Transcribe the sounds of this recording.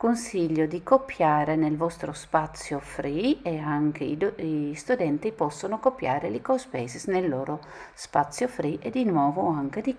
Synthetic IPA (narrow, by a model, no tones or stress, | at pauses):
konsiʎːod̪ikopːjaːɾenelvɔst̪ɾospat̪sːjofɾʔieaŋkʰeiist̪ud̪ɛnt̪ipɔsːonokopːjaːɾelikospɛːzisnelːɔːɾo | spat̪sːjofɾiʔed̪inwɔːvoaŋked̪i